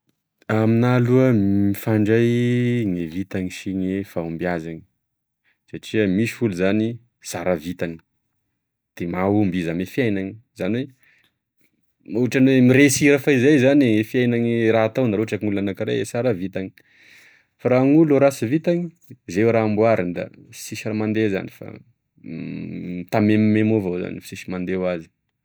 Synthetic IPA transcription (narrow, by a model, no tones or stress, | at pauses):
aminaluəifaɳɖ͡ʐajŋevit̪aŋiʃiŋefaumbiazaŋi̥ | saʈ͡ʂiəmiʃi̥fuluzani | saɾavit̪aŋi̥ | d̪̥emaumbizamefjajnaŋizaniwe | uʈ͡ʂanwemiɾesiɾafaizajzanefiajnaŋiraat̪awnaɾoɦʈ͡ʂakŋulanakiɾḛesaɾavit̪aŋi̥ | faɾaŋuluɾasivit̪aŋi | zewɾaːmbwaɾind̪a̰fi̥siʃiramand̪eza̰nifa̰ | t̪amemimemovoza̰nifi̥siʃimand̪ewazi̥